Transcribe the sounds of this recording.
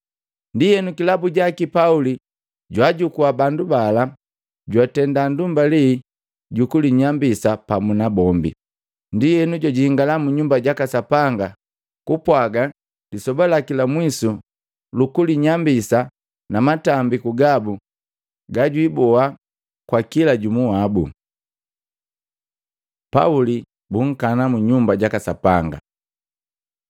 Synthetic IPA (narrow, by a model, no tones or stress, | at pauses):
ndijɛnukilabuɟakipauli | ɟwaɟukuabandubala | ɟwatɛndandumbali | ɟukuliɲambisapamunabɔmbḭ | ndijɛnuɟɔɟihiŋɡalamuɲumbaɟakasapaŋɡa | kupwaɡa | disɔbalakilamwisu | lukuliɲambisa | namatambikuɡabu | ɡaɟwibɔa | kwakilaɟumuwabṵ | pa̰uli | buŋ̩kanamuɲumbaɟakasapaŋɡa̰